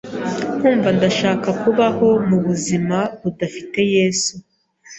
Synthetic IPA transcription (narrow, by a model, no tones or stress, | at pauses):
n̥huːɱvandaʃaːkakuβaho̞muβuzimaβudafite̞je̞ːsu